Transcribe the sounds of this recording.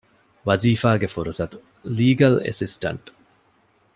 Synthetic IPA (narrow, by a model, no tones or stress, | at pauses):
ʋɐziːfaːɡefuɾusɐt̪u | liːɡɐlḛsisʈɐ̰ɳʈ